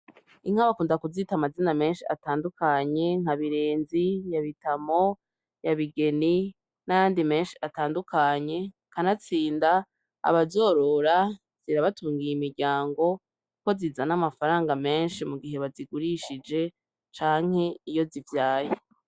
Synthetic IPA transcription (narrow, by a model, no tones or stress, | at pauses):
iŋ̥haβakuːndakuzitamaziname̞ːnʃia̰taːndukaɲe̞ŋ̥haβiɾeːnzijaβitamo̞ | jaβiɡe̞ni | najaːndime̞ːnʃi̥ataːndukʰaɲe̞ | kanat͡siːnda̰ː | βazo̞ːɾo̞ɾa | z̥iɾaβatuːŋɡijimiɾɟaːŋɡo̞ | ko̞zizanamafaɾaːŋɡame̞ːnʃimuɡiɦe̞βaziɡuɾiʃid͡ʒe̞ | t͡ʃaːŋ̥he̞ijo̞zivjaːje